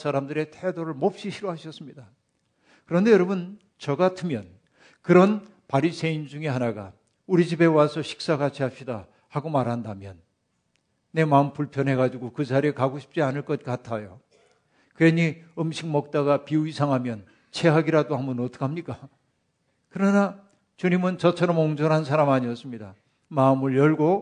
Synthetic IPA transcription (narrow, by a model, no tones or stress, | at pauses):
sʰaɾamdɯɾe̞tʰe̞doɾɯɭmʌp̚ɕ͈iɕʰiɾoɦaɕʰʌs͈ɯmɲida | kɯɾʌnde̞jʌɾʌbun | t͡ɕʌɡatʰɯmjʌn | kɯɾʌn | paɾisʰe̞ind͡ʑuŋeɦanaɡa̰ | uɾid͡ʑibe̞wasʰʌɕʰi̥k̚s͈akat͡ɕʰiɦap̚ɕ͈ida | haɡomaɾɦandamjʌnː | e̞maɯmpuɭpʰjʌnɦe̞ɡad͡ʑiɡokɯd͡ʑaɾiekaɡoɕʰi̥p̚t͡ɕ͈ianɯɭk͈ʌt̚k͈atʰajo | keɲiɯmɕʰik̚mʌk̚t͈aɡapiuisʰaŋɦamjʌn | t͡ɕʰe̞ɦaɡiɾadoɦhambʌnotʰɯ̥kʰamɲik͈a | kɯɾʌna | t͡ɕuɲimɯnt͡ɕʌt͡ɕʰʌɾʌmoŋd͡ʑʌɾɦansʰaɾamaɲiʌs͈ɯmɲida | mamɯɭjʌɭɡo